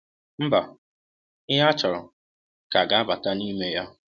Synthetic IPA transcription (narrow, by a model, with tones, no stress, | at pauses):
m̩˦ba˨ | ɪ˦ɦa˦t͡ʃɔ˨ɾɔ̰˨ | ka˨ɡa˨˦a˦ba˨ta˦ni˦me˦ja˦